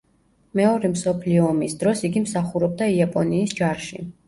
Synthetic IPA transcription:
mɛɔɾɛmsɔpʰliɔːmisd̪ɾɔsiɡimsaχuɾɔb̚d̪aiapʼɔniːsd͡ʒaɾʃḭ

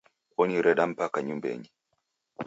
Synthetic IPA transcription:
ɔniɾɛɗam̩pakaɲumbɛ̰ɲi

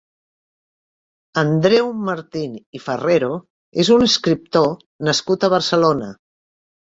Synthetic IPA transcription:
ənd̪ɾɛwməɾt̪inifəreɾo | ezunəskɾip̚t̪o | nəskut̪əβ̞əɾsəlonə

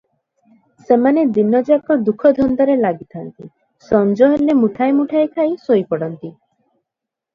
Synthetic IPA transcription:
semaned̪inːɔd͡ʒakɔd̪ukʰɔd̪ʱɔnd̪ɔɾelaɡit̪ʰant̪ḭ | sɔnd͡ʒɔɦelemuʈʰajmuʈʰajkʰajsojpɔɽɔnt̪i

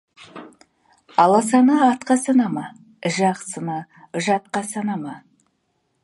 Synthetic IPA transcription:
ɑlˠɑs̬ɑnəɑt̪qɑsɑnɑmɑ | ʒɑqsənɑ | ʒɑt̪̚qɑsɑnɑmɑ

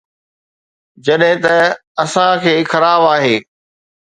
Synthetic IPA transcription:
d͡ʑɐɗɦɪ̃t̪ɐɐsãkʰeːxɐɾaːbaːɦeː

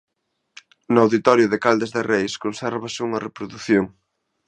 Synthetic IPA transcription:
nʊawðit̪ɔɾjʊðɪkald̪ezðɪrejskonsɛɾβɐsɪuŋɐrepɾoðuθjoŋ

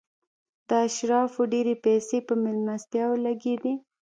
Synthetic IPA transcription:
d̪̥əaʃɾɑfoɖeɾepɛsepəmɪlnast̪jɑwlaɡed̪i

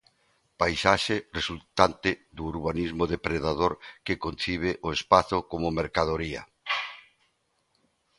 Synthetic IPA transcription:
pajsaʃɪresult̪ant̪ɪðuːɾβ̞anizmʊðepɾeðaðoɾkɪkon̟θiβ̞ɪʔoespaθʊkomomeɾkaðoɾiɐ̰

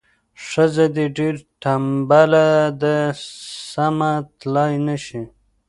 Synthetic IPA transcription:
ʂəzed̪eɖeɾʈambalad̪əsamat̪lɑjnəʃi

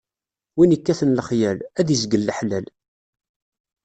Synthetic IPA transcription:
winəkːæθənləχjælæðizɡəlːəħlæl

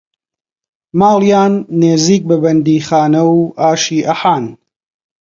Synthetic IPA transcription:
maːljaːnːeːziːk̚bɐbɐnd̪iːχaːnɐwʔaːʃiːʔɐħaːn

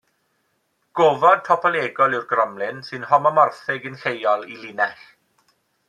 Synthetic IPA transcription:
ɡ̥oːvɔd̥̚tʰɔpʰɔlˠeːɡɔlˠɪwrɡrɔmlɪnsɨnhɔmɔmɔrθɪɡənɬejɔlˠilinɛɬ

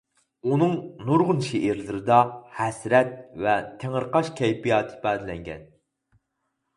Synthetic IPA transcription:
unɨŋnuɾʁʊnʃeʔiɾlˠɨɾɨd̪ɑhɛsɾɛt̪̚vɛt̪ʰeŋəɾqɑʃkʲʰɛjbijɑːt̪ʰɨ̥bɛːd̪ɪlɛŋɡʲɛ̰n

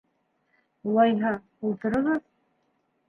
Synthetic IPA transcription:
ulˠɑjɦɑ | ulˠt̪ɤ̆ɾɤ̆ʁɤð

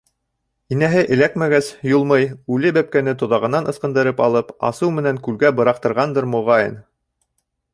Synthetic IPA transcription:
inæɦɘʔɘ̆lækmæɡæsjulˠmɤjʉlɘbæp̚kænɘt̪ŏðɑʁɤ̆nɑnɤ̆sqɤ̆nd̪ɤ̆ɾɤpɑlˠɤpɑ̰sɤwmɘ̆næŋkʉlɡæbɤ̆ɾɑq̚t̪ɤ̆ɾʁɑnd̪ɤɾmŏʁɑjɤ̰̆n

